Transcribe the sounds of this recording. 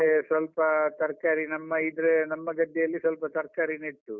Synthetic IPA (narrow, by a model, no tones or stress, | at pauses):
esʋɐlpɐt̪ɐɾkaːɾinɐmːɐid̪ɾenɐmːɐɡɐd̪ːɛjɐlːisʋɐlpɐt̪ɐɾkaːɾiniʈːu